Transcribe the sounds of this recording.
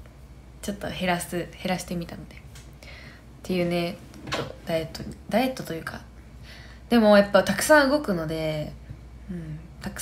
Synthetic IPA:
t͡ɕo̞t̪ːo̞he̞ɾasɨhe̞ɾaɕi̥t̪e̞mʲit̪ano̞d̪̥e̞ | t̪ʰːe̞jɯ̟ːne̞ | t̪ːod̪̥aet̪ːod̪ae̞t̪ːo̞t̪o̞jɯ̟ːka̰ | d̪e̞mo̞japːat̪akɯ̟̥sãɰ̃ɯ̟ɡo̞kɯ̟no̞d̪e̞ | ɯ̟̃ɴ | t̪akɯ̥

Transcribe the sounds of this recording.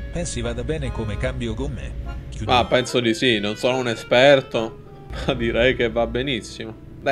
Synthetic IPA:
pɛnsivaːd̪abɛːnekomekambjokomːḛumapːɛnsod̪isinːonsoːnounespɛrt̪o | mad̪iɾɛjkevːabːenisːimo | d̪a

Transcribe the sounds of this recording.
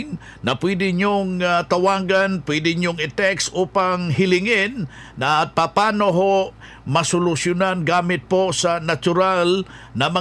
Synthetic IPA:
ŋ | nɐpwɛd̪ɪɲoŋt̪ɐwaːɡanpwɛd̪ɪɲoŋɪt̪ɛksʔuːpaŋhɪlɪŋɪnː | ɐpɐpaːnoɦoʔ | mɐsʊlʊsjʊnanɡaːmɪt̪̚posɐnɐt͡ʃʊɾalnɐmɐ

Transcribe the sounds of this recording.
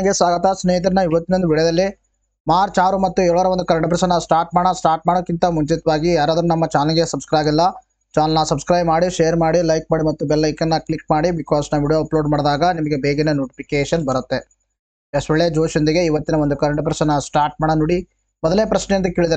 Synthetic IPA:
ɐɡesʋaːɡɐt̪ɐsneːɦit̪ɐɾɐnːɐiʋɐt̪ːinond̪uʋiɭɐjɐd̪ɐlːi | maːɾt͡ʃaːɾumɐt̪ːuɛɾuɭɐːɾɐʋond̪ukɐɾɐɳʈɐpɾɐsɐnːasʈaːɾʈ̚maːɽɐsʈaːɾʈ̚maːɽokːint̪ɐmuɲt͡ʃit̪ɐʋaːɡijaːɾaːd̪ɐɾunɐmːɐt͡ʃaːlɐŋɡesɐbskɾajbilːɐ | t͡ʃaːnlɐnɐsɐbskɾɐjmaːɽiʃejɐɾmaːɽilɐjk̚maːɽimɐt̪ːubɛlːɐjkɐnːɐklik̚maːɽibikɔːsnɐʋiːɽijoːɐploːɖmaːɽd̪aːɡɐnimɐɡe̞beːɡenenoːʈi̥pʰikeːʃɐnbɐɾɐt̪ːe̞ | esʈɐɭːed͡ʒoːʃjond̪iɡe̞iʋɐt̪ːinɐʋond̪ukɐɾeɳʈɐp̬ɾɐsɐnɐsʈaːɾʈ̚maːɽɐnoːɽi | mɔd̪ɐlːeːpɾɐʃnejɐnd̪kiːɭid̪aɾe

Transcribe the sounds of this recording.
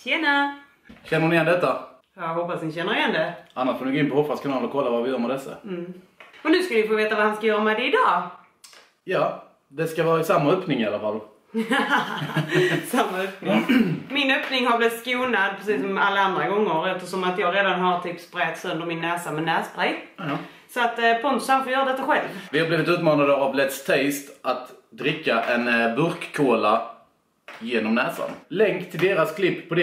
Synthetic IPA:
ɕɛnə | ɕɛnːəɳɪɛnd̪ɛt̪ːa | jaɦɔpːasnɪɕɛnːəɾɪjɛnd̪ɛʔanːaʂfoːd̪ɪnɡoɪnpʰɔhɔfaskʰʊnːnlɔkʰɔlːavavɪjœːɾmɛd̪ɛsːa̰m̩ː | ɔnʉ̟ːskalɪfoːveːt̪avahanskajœːɾamɛd̪ɛɪd̪ɑː | jɑː | d̪ɛskavɑːɾaɪsamːaœpnɪŋɪalafalː | samːaœpnɪŋmɪnœpnɪŋhaɾblɪt̪skuːnad̪pʰɾɛsiːsɔmalːaand̪ɾaɡɔŋːəɾɛft̪əʂɔmat̪jɑːɡɾeːd̪anɦaɾt̪ʰiːpspɾɛːt̪sɵnd̪əɾmɪnːæːsamɛnæːsbɾɛjj | sɔat̪pʰɔnt̪sanfɔjœːɾad̪ɛt̪ːaɧɛlvvɪhabliːvɪt̪ʉ̟ːt̪mɑːnad̪əavlɛt̪st̪ʰɛst̪ʔat̪d̪ɾɪkːaʔɛnbɵɾkkʰːoːla | jeːnɔmnæːsa̰nlɛŋkt̪ʰːɪld̪eːɾaskʰlɪpːʰɔd̪

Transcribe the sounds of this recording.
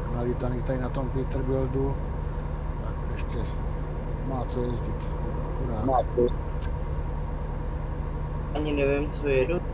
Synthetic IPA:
nalit̪aniːt̪adɪnat̪ompɪt̪r̩bɪldu | t̪akɛʃcɛ | maːt͡sojɛzɟɪt̪xudaːmaːt͡sojɛzɪt̪ | aɲɪnɛvɛmt͡sojɛdo

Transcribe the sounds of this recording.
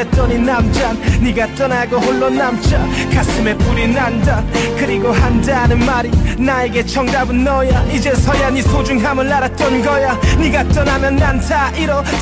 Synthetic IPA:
et͈ʌninamd͡ʑanɲiɡat͈ʌnaɡohoɭːonamt͡ɕʰakas͈ɯme̞p͈uɾinandankɯɾiɡoɦandanɯnmaɾinaeɡe̞t͡ɕʰʌŋdabɯnːʌjaid͡ʑe̞sʰʌjaɲisʰod͡ʑuŋɦamɯnːaɾat͈ʌnɡʌjaɲiɡat͈ʌnɦamjʌnːantʰaʔiɾʌ

